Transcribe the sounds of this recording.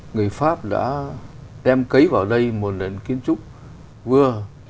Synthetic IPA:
ŋɨ˨˩əjfaː˦˥p̚ɗa̰ː˧˥ɗɛ˧mkə˨˦jvaː˨˩wɗə˧jmo˨˩t̚le˨˩nki˨˦ənt͡ɕʊ˦˥k͡p̚ | vɨ˧ə

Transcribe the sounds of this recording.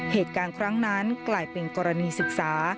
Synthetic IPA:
heː˨˩t̪̚kaː˧nkʰɾa˦˥ŋna˦˥nklaː˧jpe˧nkɔː˧ɾa˧niː˧sɯ˨˩k̚saː˩˦

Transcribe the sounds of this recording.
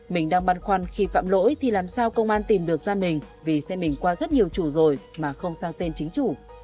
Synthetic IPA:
mï˨˩ŋ̟ɗaː˧ŋɓa˧nxwa˧nxi˧fa̰ː˧˨mlo̰˧˥jt̪ʰi˨˩laː˨˩msaː˧wkə˧wŋ͡mʔaː˧nt̪i˨˩mɗɨ˨˩ək̚zaː˧mï˨˩ŋ̟ | vi˨˩sɛ̰˧˥mï˨˩ŋ̟kwaː˧zə˦˥t̚ɲi˨˩əwt͡ɕu˧˩zo˨˩j | maː˨˩xə˧wŋ͡msaː˧ŋt̪e˧nt͡ɕï˨˦ŋ̟t͡ɕu˧˩

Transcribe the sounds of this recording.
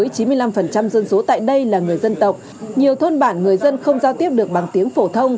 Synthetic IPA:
ə˨˦jt͡ɕi˨˦nmɨ˧əjla˧mfə˨˩nt͡ɕa˧mzə˧nso˨˦t̪a̰ː˧˨jɗə˧jlaː˨˩ŋɨ˨˩əjzə˧nt̪ə˨˩wk͡p̚ | ɲi˨˩əwt̪ʰo˧nɓaː˧˩nŋɨ˨˩əjzə˧nxə˧wŋ͡mzaː˧wt̪i˦˥əp̚ɗɨ˨˩ək̚ɓa˨˩ŋt̪i˨˦əŋfo˧˩t̪ʰə˧wŋ͡m

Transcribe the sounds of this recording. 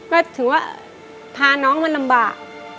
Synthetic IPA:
kɔː˥˩t̪ʰɯ˩˦ŋwaː˥˩ | pʰaː˧nɔː˦˥ŋma˧nla˧mbaː˨˩k̚

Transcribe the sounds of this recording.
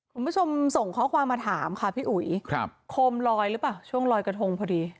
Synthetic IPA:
kʰu˧nbʰu˥˩t͡ɕʰo˧mso˨˩ŋkʰɔː˦˥kʰwaː˧mːaː˧t̪ʰaː˩˦mkʰa˦˥˩pʰiː˥˩ʔu˩˦jkʰɾa˧pkʰoː˧mɾɔː˧jlɯ˦˥paː˨˩wt͡ɕʰu˥˩əŋlɔː˧jka˧t̪ʰo˧ŋpʰɔː˧diː˧

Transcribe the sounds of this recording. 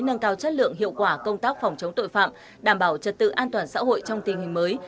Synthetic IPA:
nə˧nkaː˨˦wt͡ɕə˦˥t̚lɨ̰˧˨əŋɦḭ˧˨əwkwaː˧˩kə˧wŋ͡mt̪aː˦˥k̚fɔ˨˩wŋ͡mt͡ɕə˨˦ŋ͡mt̪o̰˧˨jfa̰ː˧˨m | ɗaː˧˩mɓaː˧˩wt͡ɕə˨˩t̚t̪ɨ̰˧˨ʔaː˧nt̪waː˨˩nsa̰ː˧˥ɦo̰˧˨jt͡ɕɔ˧wŋ͡mt̪ï˨˩ŋ̟hï˨˩ŋ̟məː˨˦j

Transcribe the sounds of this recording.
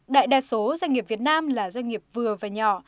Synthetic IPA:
ɗa̰ː˧˨jɗaː˨˩so˨˦zwa˧ŋi˨˩əp̚vi˨˩ət̚naː˧mlaː˨˩zwa˧ŋ̟ŋi˨˩əp̚vɨ˨˩əvaː˨˩ɲɔ˧˩

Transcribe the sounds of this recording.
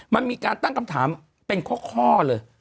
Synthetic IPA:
ma˧nmiː˧kaː˧nt̪a˥˩ŋkʰa˧mt̪ʰaː˩˦m | pe˧nkʰu˥˩kʰɔː˥˩lɤː˧j

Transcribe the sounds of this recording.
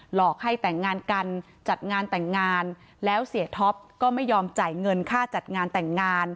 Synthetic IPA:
lɔː˨˩k̚ha˥˩jt̪ɛ˨˩ŋːaː˧nka˧n | t͡ɕa˨˩t̪̚ŋaː˧nt̪ɛ˨˩ŋːaː˧n | lɛː˦˥wsi˨˩˦ət̪ʰo˦˥p̚kɔː˥˩ma˥˩jːɔː˧mt͡ɕa˨˩jŋɤ˧nkʰaː˥˩t͡ɕa˨˩t̪̚ŋaː˧nt̪ɛ˨˩ŋːaː˧n

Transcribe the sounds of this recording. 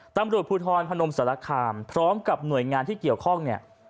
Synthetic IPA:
t̪a˧mɾu˨˩ət̪̚pʰuː˧t̪ʰɔː˧npʰa˧no˧msa˩˦la˧kʰaː˧mpʰɾɔː˦˥mka˨˩p̚nu˨˩əjŋaː˧nt̪ʰiː˥˩ki˨˩əwkʰɔ˥˩ŋni˥˩ɐ

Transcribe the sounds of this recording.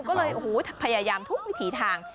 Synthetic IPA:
kɔː˥˩lɤː˧jʔo˨˧˩huː˩˦pʰa˧jaː˧jaː˧mt̪ʰu˦˥k̚wi˦˥t̪ʰiː˨˩˦t̪ʰaː˧ŋ

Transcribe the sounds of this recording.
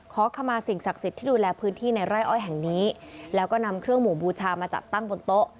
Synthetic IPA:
kʰɔː˩˦kʰa˧mːaː˧si˨˩ŋsa˨˩k̚si˨˩t̪ʰːiː˥˩duː˧lɛː˧pʰɯː˦˥nt̪ʰiː˥˩na˧jɾa˥˩jʔɔː˥˩jɦɛ˨˩ŋniː˦˥lɛː˦˥wkɔː˥˩na˧mkʰɾɯ˥˩əŋmuː˨˩buː˧t͡ɕʰaː˧maː˧t͡ɕa̰˨˩t̪ːa˥˩ŋbo˧nt̪o˦˥ʔ

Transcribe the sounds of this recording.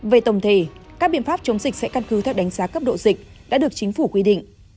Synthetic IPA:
ve˨˩t̪ə˨˩wŋ͡mt̪ʰe˧˨˩kaː˦˥k̚ɓḭ˧˨ənfaː˦˥p̚t͡ɕə˨˦wŋ͡mzï˨˩k̟̚sɛ̰˧˥kə˧nkɨ˨˦t̪ʰɛ˨˩wɗa˨˦jŋzaː˨˦kə˦˥p̚ɗo̰˧˨zï˨˩k̟̚ | ɗa̰ː˧˥ɗɨ˨˩ək̚t͡ɕi˨˦ŋ̟fu˧˩kwi˧ɗḭ˧˨ŋ̟

